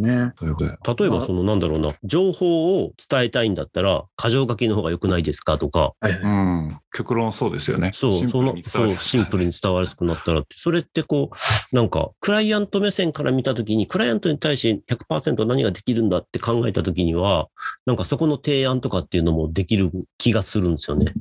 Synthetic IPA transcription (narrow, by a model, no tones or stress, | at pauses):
neot̪at̪o̞e̞baso̞nonãnd̪aɾo̞ːna̰d͡ʑo̞ːho̞ːt͡sɨ̥t̪ae̞t̪aĩnd̪at̪ːaɾakʰaʑo̞ːɡakʲino̞hoːɡajo̞kɯ̟naid̪e̞sɨ̥kat̪o̞ka̰ɯ̃kʲokɯ̟ɾõso̞ːd̪esɨjo̞̰neso̞ːsoːnsoːɕĩmpɯ̟ɾɯ̟ɲ̟it͡sɨ̥t̪aβaɾɯsɨ̥kɯ̟nat̪ːaɾat̪ːeso̞ɾe̞t̪ːe̞ko̞ːnãŋka̰kɯ̟ɾaiãnt̪o̞mesẽ̞ŋkaɾʔamʲit̪at̪o̞k̬ʲiɲ̟ikɯ̟ɾaiãnt̪o̞ɲ̟it̪aiɕt̪eçakɯ̟̥paːsẽ̞nt̪o̞naɲ̟iɡad̪e̞kʲiɾɯ̟̃nd̪at̪ːe̞kãŋɡae̞t̪at̪o̞kʲiɲ̟iβanãŋkaso̞ko̞no̞t̪e̞ːãnt̪o̞kat̪ːe̞iɯ̟no̞mo̞d̪e̞kʲiɾɯ̟kʲiɡasɨɾɯ̟̃nd̪e̞sɨjone̞̰